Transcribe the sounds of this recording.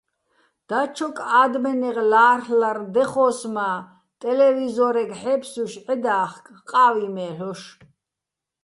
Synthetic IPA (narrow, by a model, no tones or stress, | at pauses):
d̪̥at͡ʃʰɔkʼaːd̪mɛnɛʁlaːrhlaɾd̪ɛχɔːsmaː | t̪ʼɛlɛvizɔɾɛɡħɛpʰsuʃʕɛd̪aːχkʰʼqʼaːvimɛːɬɔʃ